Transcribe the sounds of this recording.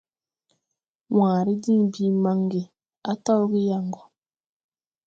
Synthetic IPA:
waː˨ɾi˦di˦ŋbi˦ma˦ŋɡi˨ | a˦tɔ˦wɡi˦ja˦˨ŋɡɔ˨

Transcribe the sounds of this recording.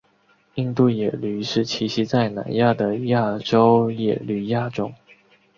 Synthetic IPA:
i˥˧nt̪u˥˩jɛ˨˩ly˧˥ʂɻ̩˥˩t͡ɕʰi˧˥ɕi˧˥t͡sa˥˩ɪna̰˧˥nja˥˩d̪ə˩ja˥˩ʈ͡ʂo˥ʊjɛ˨˩ly˧˥ja˥˩ʈ͡ʂʊ˥ŋ

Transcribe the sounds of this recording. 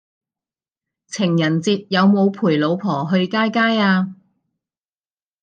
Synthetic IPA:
t͡sʰɪ˨˩ŋjɐ˨˩nt͡siː˧t̚jɐ˨˧wmo˨˧wpʰuː˨˩jlo˨˧wpʰɔː˨˩ɦɵ˧ɥkaː˥jkaː˥jaː˧

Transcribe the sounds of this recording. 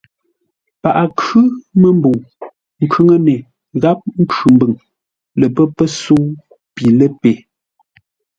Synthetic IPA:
pa˨ʔa˨kʉ˦mə˨m˦bo˨ | ŋ̩˨kʉ˦ŋə˦ne˨ | ɣa˦p̚ŋ̩˦kʉ˨mbɨ˨ŋ | lə˨pə˦pə˦so˦ | pi˨lə˦pe˨

